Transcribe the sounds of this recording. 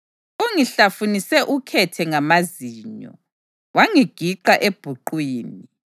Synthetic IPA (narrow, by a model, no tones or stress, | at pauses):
oŋiɬafunisɛʔukʰɛtʰɛŋamaziːɲɔ̰ | waŋiɡ̥ʱiǃaʔeb̥ʱuǃwiːni